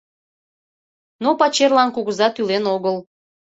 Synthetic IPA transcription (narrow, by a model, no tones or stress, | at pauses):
nopɑt͡ɕerlɑnkuɣəzɑt̪ylenoɣəl